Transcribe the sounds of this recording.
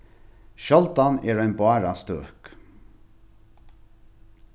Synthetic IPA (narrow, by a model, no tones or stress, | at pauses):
ʃɔlt̪anɛːɹæɪnbɑːɹast̪øːk